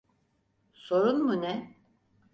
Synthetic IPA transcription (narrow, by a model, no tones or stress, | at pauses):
so̞ɾunmunɛ